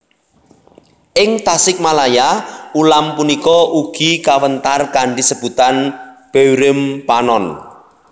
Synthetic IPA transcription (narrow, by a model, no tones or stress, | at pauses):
ʔɪŋt̪asɪk̚malajaulampunikɔuɡ̥ikawənt̪arkaɳɖisəb̥ṳt̪anb̥ewɾɪmpanɔn